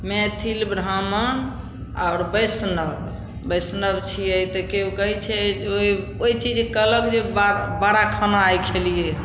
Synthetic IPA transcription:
met̪ʰilbɾamən | a̰ʊɾbəjsnəb | bəjsnəbt͡ʃʰiəjt̪ɔkeukəɦit͡ʃʰɛoi | ojt͡ʃid͡ʒkələkd͡ʒebabaɾakʰənaajkʰelije

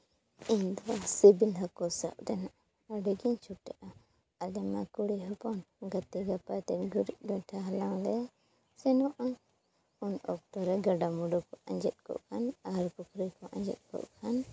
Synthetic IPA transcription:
iɲd̪ɔsibilɦɔkɔsa̰ʔ̚dɛnaʔa | aɖɛɡiɲt͡ʃʰuʈɛʔa | alɛmakuɽiɦɔpɔnɡat̪iɡapat̪ɛɡuɾic̚ɡaʈʰaɦalaŋlɛ | sɛnɔʔa | unɔ̰k̚t̪ɔɾɛɡaɖamuɖɔkɔʔãɲd͡ʒɛt̪̚kɔ̰ʔkʰanaɾkukʰɾikɔʔã̰ɲd͡ʒɛ̰t̪̚kɔ̰ʔkʰan

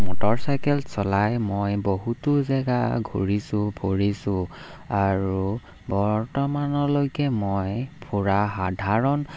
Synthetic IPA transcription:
mɔtɔɹsajkɛlsɔlajmojboɦutʊzɛɡa̰ɡʱṵɹisʊ̃bʱoɹisʊ̃ | aɹu | bɔɹtɔmanɔlojkɛmojpʰuɹaɦadʱaɹɔn

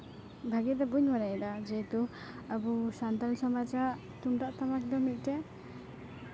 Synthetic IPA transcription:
bʱaɡid̪ɛbuɲmanad̪ad͡ʒɛt̪u | abusant̪alsɔmat͡ʃaɾ | t̪unʈaʔt̪amak̚d̪ɔmit̪̚ˀʈɛ

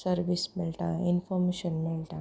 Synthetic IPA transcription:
səɾʋismilt̪ãinfɔɾmeɕənmilt̪ã

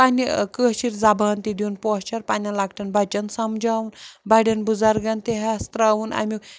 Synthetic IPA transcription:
panʲikəːt͡ʃiɾzɐbaːnt̪id̪ʲiunpɔt͡ʃɐɾpanʲɐnlakʰʈɐnbɐt͡ʃɐnsɐmd͡ʒaːwunbɐɽʲɐnbuzɐɾɡɐnt̪eɦast̪ɾaːwunɐ̰mi

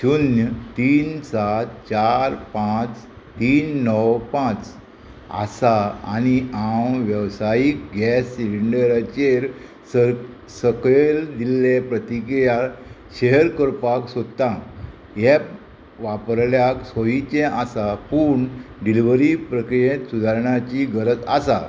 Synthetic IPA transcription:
d͡ʑunjət̪iːnsat̪̚t͡ɕaɾpãt͡s | t̪iːnːɔwpãt͡s | a̰saa̰niawʋjəwsajik̚ɡɛsliɳɖəɾat͡ɕeɾ | səkɭeld̪ilːepɾət̪ikɾija | ɕeɦəɾkəɾpaksod̪t̪ã | jɛ | ʋapəɾljaksojit͡ɕɛ̃ʔasapuːɳɖiliʋɾipɾəkɾijẽt̪sud̪ʱaɾɳat͡ɕiɡʱəɾət̪a̰sa̰

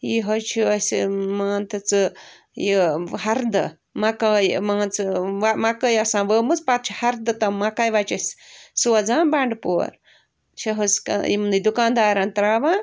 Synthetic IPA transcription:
jiɦɐt͡ʃʰiɐsmaːnt̪ɐt͡sɨ | jiɦɐɾd̪ɐ | mɐkajmaːnt͡sɨʋamakɐjɐsãːʋəːmut͡spaɾt͡ʃʰi̥hɐɾd̪ɨt̪ɐmakajʋat͡ʃɐssuɐd͡zãːbaɳɖpoːɾ | t͡ʃʰɐɦɐskimnɨd̪ukãːnd̪aːɾãnt̪ɾaːʋãː

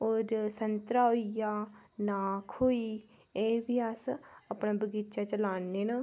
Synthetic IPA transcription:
oːɾsənt̪ɾaːoijaːnaːkʰɦoːiː | eːbiːasapnaːbəɡɪt͡ʃaːt͡ʃəlaːnːeːna

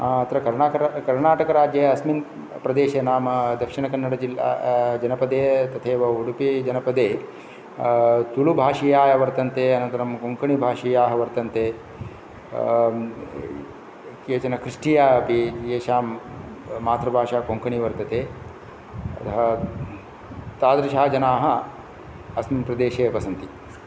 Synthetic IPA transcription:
aɐt̪ɾɐkɐɾɳaːkɐɾkɐɾɳaːʈɐkɐɾaːd͡ʒeːɐsmin | pɾɐd̪eːʃenaːmɐd̪ɐkʂiɳɐkɐnːɐɽɐd͡ʒila̰d͡ʒɐnɐpɐd̪eːt̪ɐt̪ʰeːʋɐuɽupid͡ʒɐnɐpɐd̪eː | t̪ulubʱaːʂijaːjɐʋɐɾt̪ɐnt̪eːɐnɐnt̪ɐɾɐmkoŋkʰɐɳibʱaːʂijaːɦɐʋɐɾt̪ɐnt̪eː | keːt͡ʃɐnɐkɾiʂʈijaːɐpieːʃaː | maːt̪ɾɐbʱaːʂaːkoŋkɐɳiʋɐɾt̪ɐt̪eː | ɐt̪ɐɦɐ | t̪aːd̪ɾɐʃaːd͡ʒɐnaːɦɐ | ɐsmɐmpɾɐd̪eːʃeːɐbɐsɐnt̪i

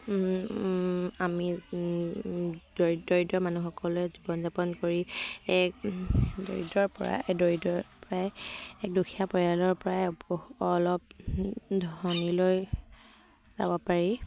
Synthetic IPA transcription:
ami | d̥odɔɹidɔmanuxɔkɔlɛzibɔnzapɔnkoɹiɛkdo̰ɹḭdɔɹpɔɹa̰ɛdoɹidɔɹpɔɹaɛkdukʰiapɔɹijalɔɹpɔɹapɔɔlɔp̚dʱɔɔniloj | za̰bɔpaɹi

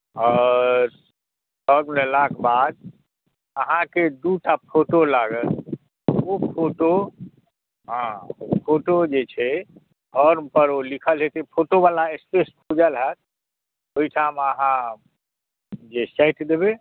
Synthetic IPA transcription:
ɔɾ | səɾləlakbad̪̚ | əɦãked̪uʈappʰoʈolaɡət̪ | opʰoʈo | ɦãpʰoʈod͡ʒet͡ʃʰɛ | ɔɾpəɾolikʰəlɦet̪epʰoʈobalaespespʰud͡ʒəlɦət̪̚ʰ | oiʈʰaməɦã | d͡ʒesajʈd̪ebe

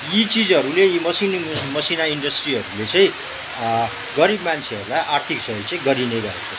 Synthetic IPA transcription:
jit͡sid͡zʌɾulejimʌsinmʌsinaiɳɖʌsʈriɦʌɾulet͡sʌĩ | ɡʌɾibmant͡sʰeʌɾulajʔart̪ʰiksʌʌjt͡sʌ̃ĩɡʌɾinebʌɦḛko

